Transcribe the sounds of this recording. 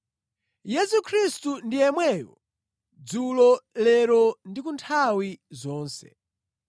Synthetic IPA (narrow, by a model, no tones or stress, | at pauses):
jɛsukʰɾistundiɛmwɛːjɔ̰ | d͡zulɔlɛɾɔndikuntʰawizɔːnsɛ̰